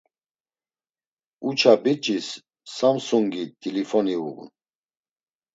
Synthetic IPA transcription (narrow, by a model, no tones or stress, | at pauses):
ut͡ʃʰabit͡ʃʼisː | amsuŋɡit̪ʰʼilifɔniṵɣṵn